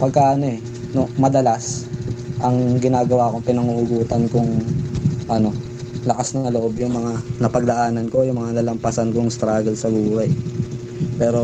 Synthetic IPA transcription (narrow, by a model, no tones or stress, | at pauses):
pɐɡ̚kaʔɐno̞ʔɛ | no̞mɐd̪ɐlas | ʔɐŋɡɪnaːɡɐwaːko̞ŋpɪnɐŋuʔʊɡuːt̪ɐnkʊŋ | ʔɐno̞ | lɐkasnɐŋloʔo̞bjʊŋmɐŋanɐpɐɡ̚d̪ɐʔaːnɐnko̞jʊŋmɐŋanɐlɐmpɐsɐnkoŋst̪ɾaːɡɐlsɐbuːhɐj | pɛːɾo̞